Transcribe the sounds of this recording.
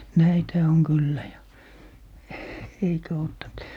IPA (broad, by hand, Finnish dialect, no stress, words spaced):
næithæ oŋ kylːæ jɑ eikæ otːɑnt